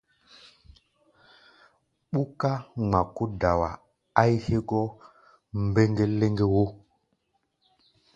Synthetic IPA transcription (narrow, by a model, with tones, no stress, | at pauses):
ɓu˦ka˦ŋ͡ma˨ku˦da˨wa˨ | a˦jhe˦ɡɔ˦ | m˦be˦ŋɡe˦le˦ŋɡe˦wo˦